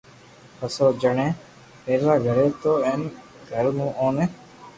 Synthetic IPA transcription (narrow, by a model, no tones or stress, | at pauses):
pəsoːd͡ʒəɳẽː | peːɾlaːɡʱəɾeːt̪oːẽːn | kəɾmũːʔõːneː